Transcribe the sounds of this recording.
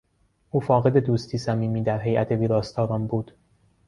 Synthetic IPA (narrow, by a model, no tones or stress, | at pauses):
ʔuːfɒːɣe̞d̪e̞d̪uːst̪ʰiːsæmiːmiːd̪æɾɦe̞jʔæt̪ʰe̞viːɾɒːst̪ʰɒːɾɒmbuːd̪̥